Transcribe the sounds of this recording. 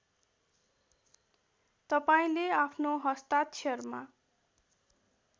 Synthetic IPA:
t̪ʌpaĩleapʰnoɦʌst̪at̪t͡sʰerma

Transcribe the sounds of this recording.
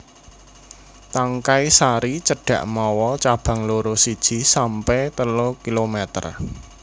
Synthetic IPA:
t̪aŋkaisaɾit͡ʃəɖ̥ä̤ʔmɔwɔt͡ʃab̥ä̤ŋloɾosid̥ʒ̥i̤sampɛt̪əlokilomɛt̪ə̰r

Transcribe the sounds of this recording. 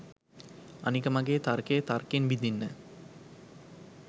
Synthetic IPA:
anikəmɐɡeːt̪arkeːt̪arkenbid̪inːə

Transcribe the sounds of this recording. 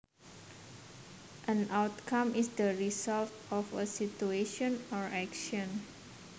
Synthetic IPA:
ʔə̃nʔawt̪kʰãmisdəɹisaltɔfəsitueʃɔ̃nɔɹɛkʃɔ̃n

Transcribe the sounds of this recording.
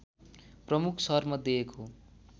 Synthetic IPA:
prʌmukʰsʌɦrmʌd̪eekʰo

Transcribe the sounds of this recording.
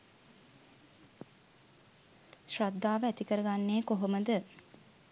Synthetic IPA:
ʃrad̪ːaːʋəæt̪ikəɾəɡanːeːkoɦoməd̪ə

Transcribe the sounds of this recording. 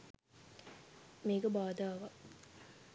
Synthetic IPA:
meːɡɐbaːd̪aːʋa

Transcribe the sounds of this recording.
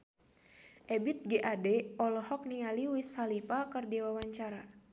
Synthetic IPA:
ʔɛbit̪̚ɡeʔadɛɔlɔhɔk̚niŋaliwisalipakərdiwawaɲt͡ʃaɾa

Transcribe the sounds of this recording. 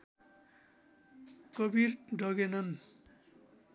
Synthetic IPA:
kʌbirɖʱʌɡenʌn

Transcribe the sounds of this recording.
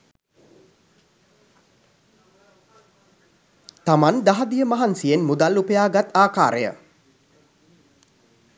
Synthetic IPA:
t̪amand̪aɦad̪ijəmaɦansijenmud̪alupəjaːɡat̪aːkaːɾəjə̰

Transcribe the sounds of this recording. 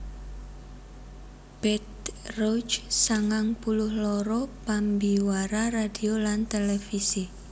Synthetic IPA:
b̥ɛt̪̚rot͡ʃsaŋaŋpulʊhlɔɾɔpambiwaɾaradiolant̪elefisi

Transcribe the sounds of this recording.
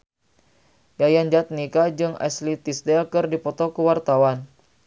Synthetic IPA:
jajand͡ʒat̪̚nikad͡ʒɨŋɛ̰slit̪isdɛlkərdipɔt̪ɔkəwart̪awan

